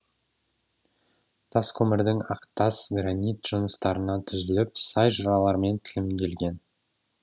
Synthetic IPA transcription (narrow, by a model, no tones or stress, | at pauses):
t̪ʰɑskʲʰɵmɪɾd̪ɪŋɑqt̪ɑsɡɾanʲijt̪ʒ̥ʊnəst̪ɑɾənɑt̪ʰʏzɪlɪpsɑjʒʊɾɑlˠɑɾme̞nt̪ʰɪ̥lɪmkʲʰe̞lɡʲe̞n